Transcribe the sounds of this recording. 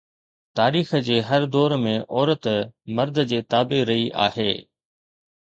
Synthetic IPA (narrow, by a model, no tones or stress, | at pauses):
t̪aːɾiːxəd͡ʑeːɦɐɾd̪ɔːɾmẽʔɔːɾət̪mɐɾd̪ʱəd͡ʑeːt̪aːbeɾɐiʔa̰ːɦeː